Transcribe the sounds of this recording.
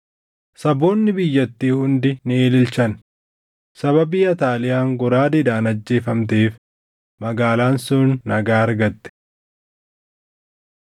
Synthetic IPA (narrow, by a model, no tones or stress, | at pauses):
sɐbo̞ːnːɪbɪjːɐt̪ːiːhʊnd̪ɪnɪeːlɪlt͡ʃɐn | sɐβɐbiːɐt̪aːlɪjaːŋɡʊɾaːd̪ɪd̪aːnɐd͡ʒːe̞ːfɐmt̪eːf | mɐɡaːlaːnsʊnːɐɡaːɐɾɡɐt̪ːɛ̥